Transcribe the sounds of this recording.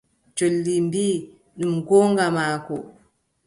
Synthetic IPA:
d͡ʒolːimbiː | ɗumɡɔːŋɡamaːkɔ

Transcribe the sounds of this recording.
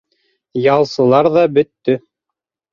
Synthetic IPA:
jɑlˠsɤ̆lˠɑɾðɑbɵ̆t̪ːɵ

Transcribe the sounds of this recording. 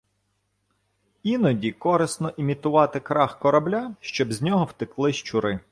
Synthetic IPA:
inɔdʲikɔɾɪsnɔʔimʲit̪ʊʋɑt̪ɪkɾɑxkɔɾɐblʲaʃt͡ʃɔbzʲnʲɔɦɔwt̪ɪklˠɪʃt͡ʃʊɾɪ

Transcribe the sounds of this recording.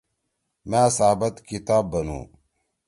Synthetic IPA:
mãːsabɐt̪kit̪aːbːɐnṵ̃ː

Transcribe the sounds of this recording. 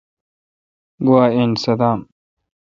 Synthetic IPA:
ɡuwaːensɐd̪aːm

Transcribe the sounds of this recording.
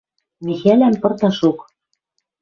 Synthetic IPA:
mʲixælæmpɤ̆rt̪ɑʃuk

